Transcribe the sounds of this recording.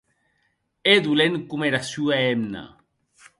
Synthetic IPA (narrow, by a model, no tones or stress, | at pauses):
ed̪uleŋkumeɾasjuaemna̰